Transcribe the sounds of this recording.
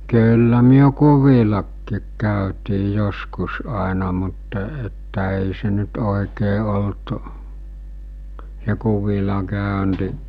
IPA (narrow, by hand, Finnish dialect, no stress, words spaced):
kyːlːæ myø kuʋilɑkːiːk kæˑøtiː joskus ɑˑenɑ mutːɑ etːæ eˑi se nyt oˑikeː olt s̞e kuʋilɑ kæˑønti